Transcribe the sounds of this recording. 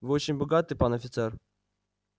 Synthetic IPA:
vɨot͡ɕɪnʲbɐɡat̪ɨjpanɐfʲɪt̪sɛr

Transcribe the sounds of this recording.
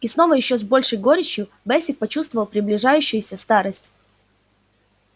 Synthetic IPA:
isno̞vəjɪɕːozbo̞lʲʂəjɡo̞ɾʲɪt͡ɕjʊ | bɛsʲɪk̚pɐt͡ɕust̪vəvəlˠpɾʲɪblʲɪʐajʉɕːɪjʊsʲəst̪aɾəsʲtʲ

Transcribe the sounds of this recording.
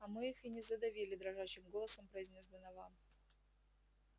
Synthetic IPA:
ɐmɨixɨnʲɪzəd̪ɐvʲilʲɪd̪ɾɐʐat͡ɕɪmɡolˠəsəmpɾəɪzʲnʲozd̪ənɐvam

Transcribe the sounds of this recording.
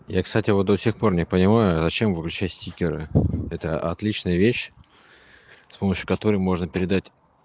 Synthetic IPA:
jakst̪atʲɪvot̪̚d̪osʲexpo̞rnʲɪpənʲɪmajʊzɐt͡ɕe̞mvɨklʲʉt͡ɕætʲsʲtʲikʲɪɾɨɛt̪əʔɐ̰t̪lʲit͡ɕnəjəvʲeɕ | spo̞məɕːʊkɐt̪o̞ɾəjmo̞ʐnəpʲɪɾʲɪd̪atʲ

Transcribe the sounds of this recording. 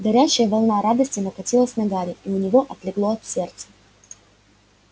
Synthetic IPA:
ɡɐɾʲæɕːɪjəvɐlˠnaɾad̪əsʲtʲɪnɐkɐtʲilˠəsʲnɐɡaɾʲɪiʊnʲɪvo̞ʔɐt̪lʲɪɡlˠoɐt̪sʲe̞rt̪sə̥

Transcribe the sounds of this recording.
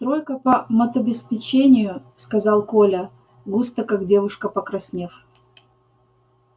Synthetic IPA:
st̪ɾojkəpəmɐt̪ɐbʲɪspʲɪt͡ɕenʲɪjʊskɐzɑlˠkolʲə | ɡust̪əkaɡdʲe̞vʊʂkəpəkɾɐsʲnʲef

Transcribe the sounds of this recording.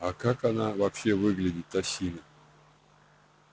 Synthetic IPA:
akakanavapɕevɨɡlʲɪdʲɪt̪ːasʲinə

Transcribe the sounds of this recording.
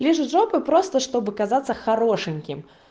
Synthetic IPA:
lʲiʂʐɔpɨpɾɔst̪ɐʂt̪ɔbɨkazat̪sːɐxaɾɔʂɨnʲkʲim

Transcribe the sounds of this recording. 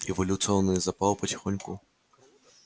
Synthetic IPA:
ɛvɐlʲut̪sɨɔnːɨzɐpalˠpɐt͡sʲɪ̥xɔnʲku

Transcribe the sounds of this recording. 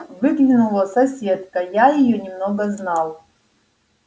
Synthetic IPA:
vɨɡlʲinulˠəsɐsʲet̪kɐjajɪjonʲɪmnoɡɐznalˠ

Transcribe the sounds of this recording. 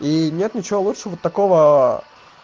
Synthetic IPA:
inʲet̪nʲɪt͡ɕɪvolutʂəəvot̪ːɐko̞və

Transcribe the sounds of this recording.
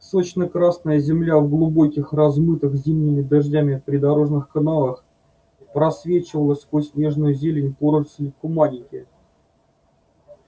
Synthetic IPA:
sot͡ɕnəkɾasnəjəzʲɪmlʲavɡlˠʊbo̞kʲɪxrɐzmɨt̪ɨxzʲimnʲɪmʲɪd̪ɐʐdʲamʲɪpɾʲɪd̪ɐɾo̞ʐnɨxkɐnalˠəx | pɾɐsvʲet͡ɕɪvəlˠəsʲkosʲnʲe̞ʐnʊjʊzʲelʲɪnʲpoɾəsʲɪkʊmanʲɪkʲɪ

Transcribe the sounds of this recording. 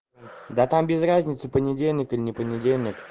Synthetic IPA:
d̪at̪ambʲɪzrazʲnʲɪt̪sɨpənʲɪdʲelʲnʲɪkɨlʲɪnʲɪpənʲɪdʲelʲnʲɪk

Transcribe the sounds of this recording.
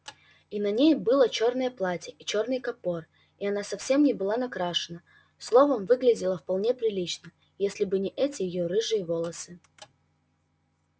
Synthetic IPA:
inɐnʲejbɨlˠət͡ɕo̞rnəjəplˠatʲɪʔit͡ɕo̞rnɨjkɐpo̞r | iɐnasɐfsʲe̞mnʲɪbɨlˠanɐkɾaʂɨnə | slˠo̞vəmvɨɡlʲɪdʲɪlˠəfpɐlˠnʲe̞pɾʲɪlʲit͡ɕnə | jesʲlʲɪbɨnʲɪʔɛtʲɪjɪjoɾɨʐɨjəvo̞lˠəsɨ

